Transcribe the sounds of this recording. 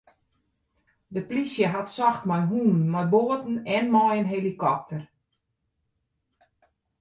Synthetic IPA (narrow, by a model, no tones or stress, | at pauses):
dəplisjəɦatsɔxtmɔjɦuːnnmajboətn̩ɛnmɔjənɦelikɔp̚tʰər